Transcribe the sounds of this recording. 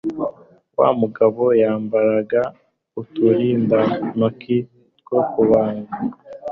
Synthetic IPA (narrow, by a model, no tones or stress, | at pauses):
wa̰ːmuɡaβo̞jaːmbaɾaɡa | utuɾiːndanokʰi | tɡokuβaːŋɡa